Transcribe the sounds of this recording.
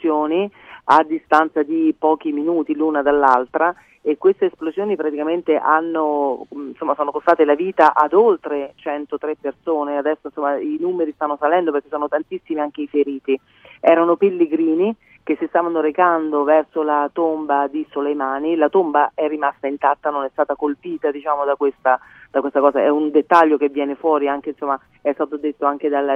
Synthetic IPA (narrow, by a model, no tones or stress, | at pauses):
joːniad̪ːist̪ant̪sad̪ipɔːk̟iminuːt̪ilunad̪alːalt̪ɾa | ekwest̪eːsplozjoːnipɾat̪ikament̪eʔanːonsomːasoːnokost̪aːt̪elaviːt̪aʔad̪olt̪ɾet͡ʃɛnt̪ot̪ɾepːersoːnead̪ɛsːoinsomːainuːmeɾist̪anːosalɛnd̪operke̥sɔːnot̪ant̪isːimiaŋk̟eifeɾiːt̪i | ɛːɾanopelːeɡɾiːni | k̟esːist̪aːvanoɾekand̪ovɛrsolat̪ombad̪isolejmaːnilat̪ombaɛrːimast̪aint̪at̪ːanonɛst̪aːt̪akolpiːt̪ad̪it͡ʃaːmod̪akwest̪ad̪akwest̪akɔːzaɛund̪et̪ːaʎːokevːjɛːnefwɔːɾiaŋk̟einsomːa | ɛst̪aːt̪od̪et̪ːoaŋk̟ed̪al